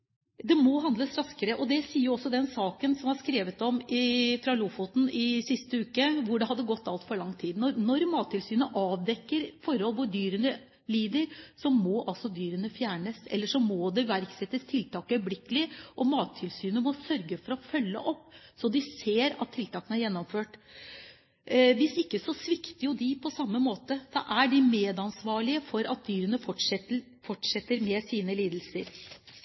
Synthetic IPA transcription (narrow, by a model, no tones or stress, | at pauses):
d̪ɛmɔɦɑnd̪ləsɾɑskəɾəʔɔd̪ɛsiːəjɾɔsːɔd̪ɛnsɑːkənsɔmhɑɾʂkɾeːʋət̪ɔmɪfɾɑlufut̪n̩ɪsɪst̪əʉːkəʋʊɖɛhɑd̪ːəɡɔt̪ʰːɑlt̪fɔɾɭɑŋːt̪ʰiːd̪nɔɾnɔɾmɑːt̪ʰːɪlsyːnəʔɑːʋd̪ɛkːəɾfɔɾhɔlʋʊɖ̪yːɾənə | liːd̪əɾsɔmɔʔɑlsɔd̪yːɾənəfjæːɳəsɛ̰lːəʂɔmɔd̪ɛʋæɾksɛt̪ːəst̪ʰɪlt̪ɑːkœʏblɪkːəlɪʔɔmɑːt̪ʰːɪlsyːnəmɔsœɾɡəfɔɾɔfœlːə̰ʔɔpːsɔd̪ɪseːɾɑ̰t̪ʰːɪlt̪ʰɑːkənəæɾjɛnːɔmføːʈ | ʋɪsɪkːəsɔsʋɪkt̪əjʊd̪ɪpʰɔsɑmːəmoːt̪əd̪ɑ̰ʔæɖɪmeːd̪ɑnsʋɑːɭɪəfɔɾɑt̪̚d̪yːɾənəɔə | fɔʈʂɛt̪ːəɾmɛsiːnəliːd̪l̩səɾ